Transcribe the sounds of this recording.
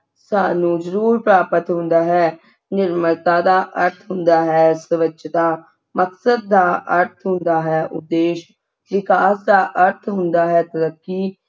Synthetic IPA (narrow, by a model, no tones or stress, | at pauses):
saːnũːzəɾuːɾpɾaːpət̪ɦʊ̃nd̪aːɦɛː | nɪɾməɾt̪aːd̪aːʔəɾt̪ʰɦʊnd̪aːɦɛːsəʋət͡ʃt̪aː | məksəd̪̚ːaːʔəɾt̪ʰɦʊ̃nd̪aːɦɛːʔʊ̰d̪ːeːʃ | ʋɪkaːsd̪aːʔəɾt̪ʰɦʊnd̪aːɦɛːt̪əɾəkːiː